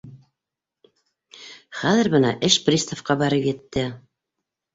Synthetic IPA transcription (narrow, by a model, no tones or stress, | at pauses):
χæðɘ̆ɾbɤ̆nɑ̰ʔɘʃprʲist̪ofqɑbæɾɤpjɘ̆t̪ːɘ